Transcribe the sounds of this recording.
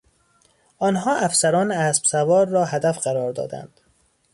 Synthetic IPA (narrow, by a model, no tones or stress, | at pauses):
ʔɒːnɦɒːʔæfsæɾɒːneæːsb̥sævɒːɾːɒːhæd̪æfɢæɾɒːɾd̪ɒ̰ːd̪æ̰nd̪̥